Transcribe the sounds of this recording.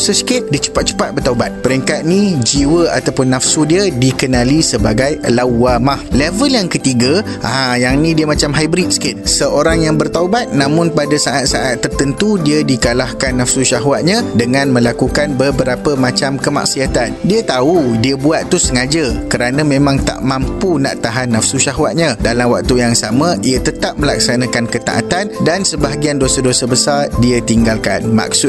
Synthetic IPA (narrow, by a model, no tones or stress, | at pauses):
səskɪt̪̚dit͡ʃə̥pat̪̚t͡ʃə̥pat̪̚bərt̪aubat̪̚pəɾɛŋkat̪̚nid͡ʒiwəa̰t̪awpʊnːafsudiədikənãlisəbaɡajlawamahlevəljaŋkət̪iɡa | ʔajaŋnĩdiəmat͡ʃamɦajbɾit̪̚sket̪̚səoɾaŋjaŋbərt̪awbat̪̚nãmʊnpadasaʔat̪̚saʔat̪ːərt̪ənt̪udiədikalahkanːafsuʃaɦwat̪̚ɲãdəŋãnmə̃lakukanbəbəɾapəmãt͡ʃamkəma̰ksiat̪andiat̪audiabuat̪ːusəŋad͡ʒakəɾanãmẽmãŋt̪a̰ʔmãmpunã̰ʔt̪aɦanːafsuʃaɦwat̪̚ɲãdalamwa̰k̚t̪ujaŋsamãiat̪ət̪ap̚mə̃lak̚sanãkankət̪a̰ʔa̰t̪andansəbaɦaɡiandosadosabəsardiat̪iŋɡalka̰nma̰k̚sʊ